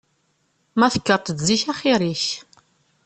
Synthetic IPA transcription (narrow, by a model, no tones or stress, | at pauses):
mæθə̥kːəɾt̪ˤəd̪ziçæχiɾiç